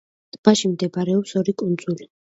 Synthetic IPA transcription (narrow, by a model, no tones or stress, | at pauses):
t̪ʼb̥aʃimd̪ɛbaɾɛɔpsɔɾikʼund̪zuli